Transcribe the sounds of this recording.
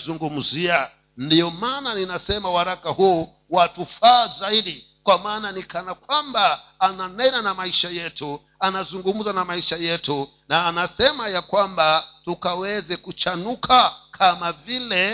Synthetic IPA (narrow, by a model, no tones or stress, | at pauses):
zuŋɡum̩zia | ndiɔmaːnaninasɛmawaɾakahu | watufaːzaiɗi | kwamaːnanikanakwambaːnanɛnanamaiʃajɛtu | anazuŋɡum̩zanamaiʃajɛtu | naːnasɛmajakwambatukawɛzɛkut͡ʃanukʰakʰamavilɛ